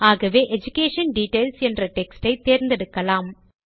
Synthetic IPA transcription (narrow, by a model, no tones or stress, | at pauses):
aːɣɐʋeːʔɛd͡ʒʊkeːʂɐnɖiːʈeːlsɛndrɐʈɛksʈɐɪt̪eːɾnd̪ɛɽɯkːɐlaːm